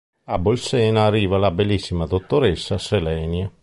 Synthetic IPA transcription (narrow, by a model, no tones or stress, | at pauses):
abolsɛːnaːrːiːvalabelːisːimad̪ot̪ːoɾesːaselɛːnja